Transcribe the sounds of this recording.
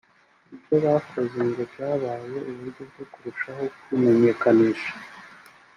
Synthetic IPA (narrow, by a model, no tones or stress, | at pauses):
ibɟo̞βafozeŋɡo̞bɟaːβaje̞ʔuβuɾɟo̞bɟokuɾuʃaɦo̞kume̞ɲe̞ːkaniːʃḁ